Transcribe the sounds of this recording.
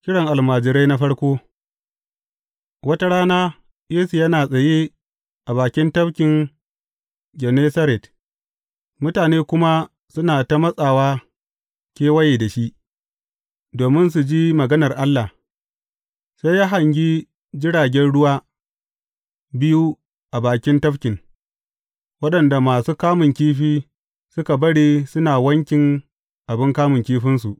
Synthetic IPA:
kʲɪ˦ɽɔ˨ŋʔa˨lmaː˨d͡ʒɪ˨ɾa˦na˦ɸɐ˦ɽkʷoː˦ | wɐ˦ta˦ɽaː˦naː˦ | jeː˦su˨jɐ˦naː˨sʼɐ˨jeː˦ | ʔa˨baː˨kʲɪ˦ntɐ˦bkʲɪ˨ŋ | ɡɛ˨neː˦sɐ˦ɾɛ˨t | mʊ˦taː˨neː˦kʷʊ˦ma˦ | sʊ˦naː˨ta˦mɐ˦sʼaː˨waː˦ | kʲeː˦wɐ˦jeː˨da˨ʃi˦ʔ | doː˨mɪ˦ns̬u˨d͡ʒiː˦mɐ˨ɡɐ˦nɐ˨rʔa˦lːa˨ | sa˦jjaː˦ɦa˨ŋɡʲi˦ | d͡ʒɪ˦ɽaː˨ɡʲɛ˦nɽʊ˦waː˦ | bɪ˦ju˦ | ʔa˨baː˨kʲɪ˦ntɐ˦ɸkʲɪ˨ŋ | wɐ˦ɗɐ˨nda˨maː˨suː˦kaː˦mʊ˨ŋkʲiː˦ɸiː˦ | sʊ˦ka˨bɐ˦ɽiː˦sʊ˦naː˨wɐ˦ŋkʲɪ˨ŋ | ʔa˨bɪ˦ŋkaː˦mʊ˨ŋkʲiː˦ɸɪ˦nsu˨ʔ

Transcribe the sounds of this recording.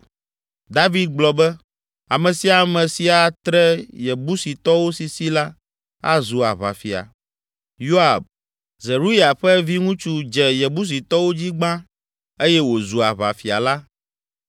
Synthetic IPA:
d̪a˦vi˨˦d̪̚ɡ͡blɔ˨bɛ˦ | a˨mɛ̃˨si˨a˨mɛ̃˨si˨a˨t̪ɾɛ˦jɛ˨bu˦si˨t̪ɔ˦wo˦si˨si˦la˦ | a̰˦zu˨a̰˨βa̰˨fi˨a̰˨ | jo˦a˨b̚ | zɛ˨ɾu˦ja˨ɸɛ˦vi˦ŋũ˦t͡ʃu˦d͡ʒɛ˨jɛ˨bu˦s̬i˨t̪ɔ˦wo˦d͡ʑi˦ɡ͡bã˦ | e˦jɛ˦wo˨zu˨a˨βa̰˨fi˨a̰˨la˦

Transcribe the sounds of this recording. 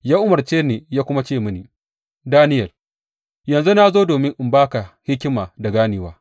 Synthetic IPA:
jaː˦ʔʊ˦mɐ˨rt͡ʃeː˦neː˨jaː˦kʷʊ˦ma˦t͡ʃeː˦˨mʊ˦ni˨ | daː˦nɪ˦jɐ˨r | jɐ˨nzu˦na˦zoː˦doː˨mɪ˦ŋʔɪ˨mbaː˦ka˨hɪ˦kʲːɪ˦maː˨da˨ɡaː˦nɪː˨˦waː˦

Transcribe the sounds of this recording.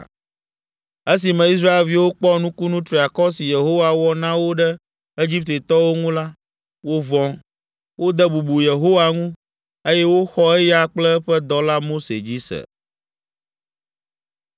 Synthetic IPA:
e˦s̬i˨mɛ̃˨i˦s̬ɾa˦e˨lvi˦wo˦k͡pɔ˦nũ˦ku˦nũ˦t̪ɾi˨a˨kɔ˦si˨je˨ɦo˦wa˨wɔ˦nã˦wo˦ɖɛ˦ | e˦d͡ʑi˦p̚t̪e˨t̪ɔ˦wo˦ŋũ˦la˦ | wo˦vɔ̃˨˦ŋ | wo˦d̪ɛ˦bu˨bu˨je˨ɦo˦wa˨ŋũ˦ | e˦jɛ˦wo˦xɔ˦ɛ˦ja˨k͡plɛ˦ɸɛ˦d̪ɔ˨la˦mo˦sḛ˨d͡ʑi˦sɛ̰˨

